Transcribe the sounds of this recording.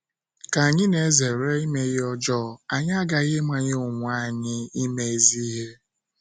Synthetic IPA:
ka˨a˨ɲɪ˦ne˨e˦ze˨ɾe˦i˦me˦ɣɔ˦d͡ʒɔ˦˨a˨ɲa˦a˦ɡa˨ɣɪ˦ma˨ɲe˦ʊ˨ŋʷa˦˨ɲɪ˦i˦me˦e˨zi˦ɦe˦

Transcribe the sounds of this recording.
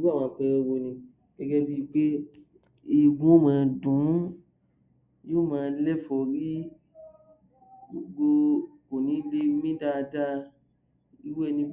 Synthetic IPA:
wã˨˧˨k͡pɛ˧ɾɛ˧˦wo˧nĩ˧ | ɛ˧ɡɛ˧di˦˨k͡pe˦ | i˨ɡũ˦o˦˨mãː˨˧dũ˨˦ | jo˦˨mãː˦˧˦lɛ˦fɔ˨ɾi˦ | ɡo˨ɡ͡bo˧ko˨nĩ˨˦le˧mĩ˦da˦˧da˦˧ | i˧˦wɛ˦˨nĩ˧

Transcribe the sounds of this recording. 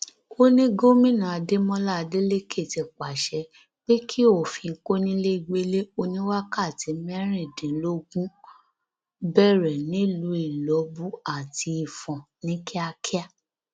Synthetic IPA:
ko˦nĩ˦ɡo˦mĩ˦˨nã˨a˧de˦mɔ̃˦la˦˨˧de˦le˦kʰe˦˨ti˨k͡pa˨ʃɛ˨˦ | k͡pe˦kʰi˦o˦˨fĩ˧ko˦nĩ˦le˦i˧˨ɡ͡be˦le˦o˧nĩ˦wa˦ka˦˨ti˨˦mɛ˦ɾ̃i˦˨dĩ˨˦lo˦ɡũ˦ | bɛ˦˨ɾɛ˨nĩ˨˦˨lu˨˦i˦˨lɔ˨˦bu˦a˨ti˧i˨fɔ̃˨nĩ˦kʰi˦a˧kʰi˦a˦˨

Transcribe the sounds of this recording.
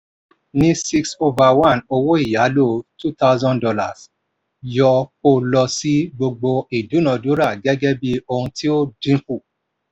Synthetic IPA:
nĩ˦si˦kso˧va˨wã˦˨no˧wo˦i˦˨ja˨˦lo˦˨tu˦ta˦ʊzɔ̃˦ndɔ˧la̰˨s | jɔ˧ko˦˧lɔ˧si˦ɡ͡bo˧ɡ͡bo˧i˨du˨˦nɔ̃˨˧du˨˦ɾa˦˨ɡɛ˦ɡɛ˦bi˧o˧hũ˧ti˦o˦dĩ˦fu˦˨

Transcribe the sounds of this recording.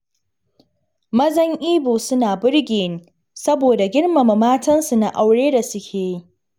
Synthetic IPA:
mɐ˦zɐ˦ŋʔiː˦boː˨sʊ˦naː˨bʊ˦ɽɡʲeː˨nː˨ | sɐ˦boː˨da˨ɡʲɪ˦ɽmɐ˨mɐ˨maː˦tɐ˦nsu˨na˦˨ʔa˨wɽeː˦da˨sʊ˦kʲʰeː˨ji˦

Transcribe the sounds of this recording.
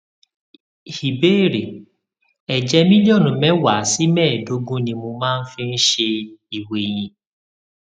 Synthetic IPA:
hi˨be˦˨ɾe˨ | ɛ˨d͡ʒɛ˧mĩ˦li˦o˦˨nũ˨mɛ̃˦wa˨˦˨si˨˦mɛ̃ː˦˨do˨˦ɡũ˦nĩ˧mo˧mãː˦˧n̩˦fi˧n̩˦ʃe˧i˨we˨j̃ĩ˧

